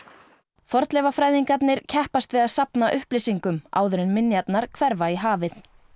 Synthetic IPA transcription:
fɔɾt̪lɛvafɾaːjðiŋkat̪nɪɾ̥cʰɛhpast̪vɪðaðsapnaʔʏhplɪsiŋkʏma̰ːwðʏɾɪnmɪnjat̪naɾ̥kʰvɛɾvaiɦaːvɪθ

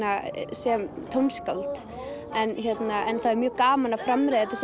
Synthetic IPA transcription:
asjɛmt̪ʰownskawlt̪ | ɛnçɛt̪naʔɛnθaðɛɾmjœːɣkaːmanafɾamɾɛːðɛt̪ɪs

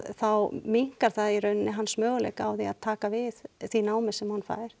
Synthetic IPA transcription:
θawmiŋ̥kaɾ̥θaðirœɥnɪnɪɦanːsmœːɣlɛ̰jka̰wθia̰ðt̪ʰaːkavɪðθinaːwmɪsɛmhanfa̰ːjɪɾ̥

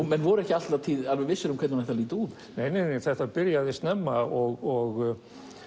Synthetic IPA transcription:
ɛnvɔɾʏɛhcɪal̥t̪lat̪ʰiːðalvɛɣvɪsːɪɾhumkʰɛt̪nanθɛht̪aliːt̪uð | nejnejnejθɛht̪apɪɾjaðɪst̪nɛmːaɔɣɔɣ

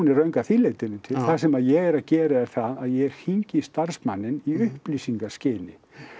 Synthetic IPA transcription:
unɛɾœɥŋkaθilejt̪ɪnɪnt̪ʰɪlθasɛmaðjɛɣɛɾaðcɛːɾaɛɾθaðaðjɛɣɛɾ̥hiɲcɪst̪aɾ̥smanːɪniʏhplisiŋkḁscɪːnɪ̰

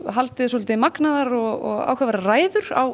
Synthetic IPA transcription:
ɦalt̪ɪðsɔːlt̪ɪmaknaðaɾɔɣɔɣa̰ːwkavaɾaraːjðʏɾa̰w

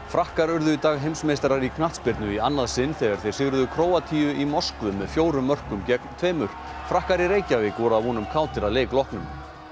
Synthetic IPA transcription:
fɾahkaɾʏɾðʏit̪aːɣɦejmsmejst̪aɾaɾikʰnaht̪spɪɾt̪nʏianːaðsɪnːθɛɣaɾ̥θej̥sɪɣɾʏðʏkʰɾoːwat̪ʰiːʏʔimɔskvʏmːɛðfjoːwɾʏmːœr̥kʏmcɛk̪t̪ʰveːmʏɾ̥ | fɾahkaɾiɾeːjcavɪkɔɾaðhɔnʏmkʰaːwt̪ʰɪɾaðleːklɔhknʏm

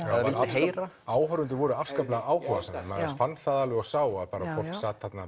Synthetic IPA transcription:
avɪlɦeːjɾa | aːwhœɾʏnt̪ɪvɔɾʏafskaplaɣaʔaːwhɔva̰sɛnɪma̰ðɛsfant̪θaðalvɪɔsaːwaðpaːɾafʰɔ̥ksaːt̪hat̪na

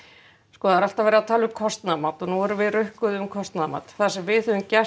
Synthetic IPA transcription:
skɔːðaaɾal̥t̪avɛːɾɪat̪ʰaːlʏʏmkʰɔst̪namaːt̪ɔnuɛɾʏvɪðrœhkʏðʏʏmkʰɔst̪naðma̰ːt̪θaðsɛmvɪθœðʏmcɛ

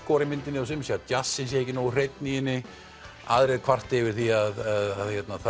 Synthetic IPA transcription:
kɔːɾɪmɪnt̪ɪnɪɔs̬ɪmsjɛat̪jasːɪns̬jejcɪnoːwr̥ejt̪nijɪnːɪ | a̰ːðɾɛðkʰv̥ar̥t̪ɪvɪɾ̥θiaðaðaðçɛt̪naθa

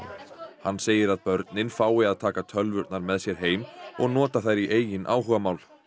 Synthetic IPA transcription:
hanːseːjɪɾaðpœɾt̪nɪnfaːwɪaðt̪ʰaːkat̪ʰœlvʏɾt̪naɾmɛðsjɛɾ̥ɦeːjmɔ̰ɣn̪ɔːt̪aθajɾiʔeːjɪnʔa̰ːwɦʏːɣamaːwl̥

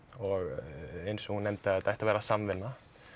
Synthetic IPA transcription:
ɔɣejnsɛɣhunːejmt̪ɪat̪ajht̪avɛːɾasamvɪnːa

